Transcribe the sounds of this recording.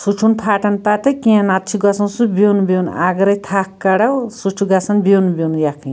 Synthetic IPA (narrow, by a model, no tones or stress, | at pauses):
sut͡ʃʰunpʰaʈɐnpat̪ekiãnat̪t͡ʃʰiɡʌsɐnsubenubewna̰ɡɾɐjt̪ʰakkaɽawsut͡ʃʰuɡasɐnbenubownujakʰĩ